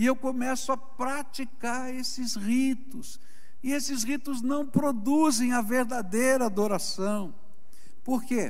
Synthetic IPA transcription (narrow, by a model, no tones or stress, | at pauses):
ɪewkomɛsʊapɾat͡ʃikaɾesɪsʁit̪ʊs | ɪesɪzʁit̪ʊznɐ̃w̃pɾod̪uzẽj̃ɐveɾd̪ad̪ejɾɐːd̪oɾasɐ̃w̃ | poɾke